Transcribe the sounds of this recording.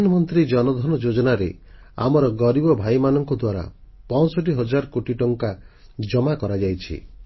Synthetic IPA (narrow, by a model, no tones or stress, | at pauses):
nɔmɔnt̪ɾid͡ʒɔnɔd̪ʱɔnɔd͡ʒod͡ʒɔnaɾḛ | a̰mɔɾɔɡɔɾibɔbʱajmanɔŋkɔd̪waɾa̰pɔ̃sɔʈ̬iɦɔd͡ʒaɾkoʈiʈɔŋka | d͡ʒɔmakɔɾad͡ʒajt͡ʃʰḭ